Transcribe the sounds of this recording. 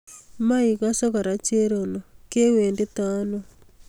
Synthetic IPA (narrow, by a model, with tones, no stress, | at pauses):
ma˦i˨ɣaso˦ka˨ɾa˨t͡ʃe˦ɾo˨no˨ke˦we˨nde˦taː˦no